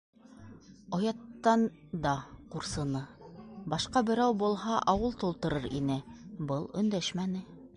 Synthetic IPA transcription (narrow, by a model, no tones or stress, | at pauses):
ɑjɑt̪ːɑn | d̪ɑquɾsɤ̆nɤbɑʃqɑbɘ̆ɾæwbulˠɦɑʔɑwɤlˠt̪ulˠt̪ɤ̆ɾɤɾḭnɘbɤlˠɵ̆nd̪æʃmænɘ